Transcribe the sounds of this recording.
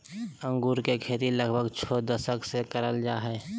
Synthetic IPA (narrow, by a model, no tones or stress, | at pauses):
ə̃ŋɡuːɾkekʰeːt̪iləɡbʱəɡt͡ʃʰod̪əsəksekəɾəld͡ʒaːɦɛ